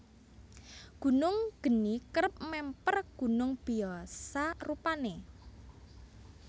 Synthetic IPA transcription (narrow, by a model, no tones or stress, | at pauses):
ɡ̥ṳnʊŋɡ̥ə̤nikəɾəp̚mɛmpərɡ̥ṳnʊŋb̥iɔsarupane